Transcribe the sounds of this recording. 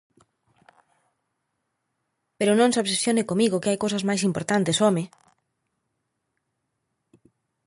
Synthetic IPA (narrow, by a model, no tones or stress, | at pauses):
peɾʊnõŋsoβsesjonɪkomiɣokeajkowsɐzmajsimpoɾt̪ant̪esɔmɪ